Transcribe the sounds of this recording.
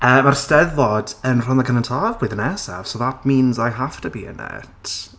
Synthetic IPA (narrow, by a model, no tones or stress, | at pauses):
əːmarstɛðɔdənr̥ɔnðəkʰənəntʰavwɪðənɛsa̰v̥sovat̚miːnzajɦaftʰəbḭːə̰nɛ̰tʰ